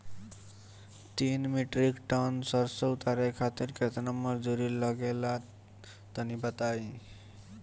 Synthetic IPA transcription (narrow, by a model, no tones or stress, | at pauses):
t̪inmiʈɾikʈɔnsʌɾsəut̪aɾekʰat̪iɾket̪nəmʌɾd͡ʒuɾilʌɡela | t̪ənibət̪ai